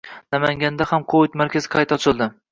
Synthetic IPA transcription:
namaŋɡʲand̪ahamqʰoɪt̪maɾkʲazɪ̥qʰɑjt̪ɒt͡ʃʰɪlˠd̪ɪ

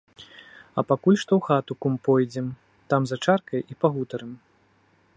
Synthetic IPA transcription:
ɐpakulʲʂt̪ɔwxat̪ukumpɔjd͡zʲɛm | t̪amzɐt͡ʂarkɐjipaɣut̪ɐɾɨm

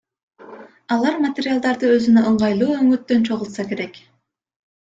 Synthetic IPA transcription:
ɑlˠɑɾmat̪ʲeɾʲɪjalˠd̪ɑɾd̪ɯø̞zynøʔɯɴʁɑjlˠuːøŋyt̪ːø̞nt͡ʃʰo̞ʁulˠt̪sɑke̞ɾe̞k

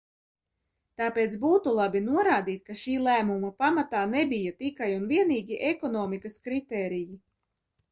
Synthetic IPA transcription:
t̪aːpeːt̪sbuːt̪ulˠabinuɔɾaːd̪iːt̪̚kaʃiːlˠæːmumɐpamat̪aːnebijat̪ikajunviɛniːɡʲiʔɛkɔnɔːmikɐskɾit̪ɛːɾiji

